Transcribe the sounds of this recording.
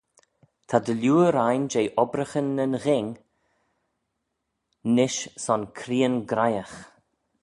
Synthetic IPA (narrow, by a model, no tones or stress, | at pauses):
t̪ʰad̪əljuːəɾajnd͡ʒejʔɔbɾəxənːənɣɪŋ | nɪʃsɔnkʰɾiːənɡɾajəx